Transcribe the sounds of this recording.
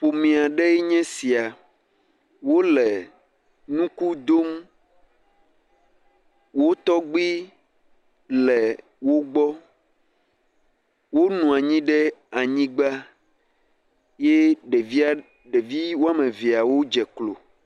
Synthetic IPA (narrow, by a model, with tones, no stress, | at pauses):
ɸo˨mĩ˨a˨ɖɛ˦ɛ˦ɲɛ̃˦si˨a˨ | wo˦lɛ˨ | nũ˦ku˦d̪o˦m | wo˦t̪ɔ˦ɡ͡bi˦ | lɛ˨ | wo˦ɡ͡bɔ˦ | wo˦nũ˨a˨ɲĩ˦ɖɛ˦a˨ɲĩ˦ɡ͡ba˦ | je˦ɖe˨vi˦a˦ | ɖe˨vi˦wo˦a˦mẽ˨vi˨a˨wo˦d͡ʒɛ˨klo̰˨